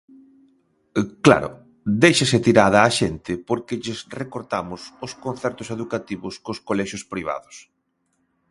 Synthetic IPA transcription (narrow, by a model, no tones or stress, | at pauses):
kla̰ɾʊ̰ | d̪ejʃesɪt̪iɾaðɐːʃent̪ɪpoɾkɪʎɪsrekoɾt̪amʊsʊskon̟θɛɾt̪ʊseðukat̪iβʊskʊskolɛʃʊspɾiβ̞a̰ðʊs